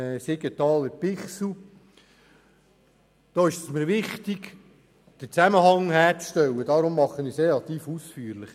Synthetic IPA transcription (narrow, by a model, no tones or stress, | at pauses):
seɡ̥ət̪ɑːləpɪχsl̩ | d̪̥oːɪʃəsməɾʋɪχt̪iɡ̥ | d̪̥ət͡sæməɦɑŋhæːɾt͡sʃtɛwːəd̥̪ɑɾʊmːɑχːənɪsɾelɑt̪iːfusfyːɾlɪχ